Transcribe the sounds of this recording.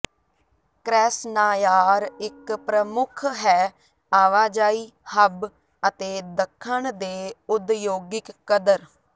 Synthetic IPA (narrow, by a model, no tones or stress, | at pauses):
kɾɛːsnaːjaːɾɪkpɾəmʊkʰɦɛː | aːʋaːd͡ʒaːiː | həb | ət̪eːd̪əkʰːəɳd̪eːʊd̪joːɡɪkːəd̪əɾ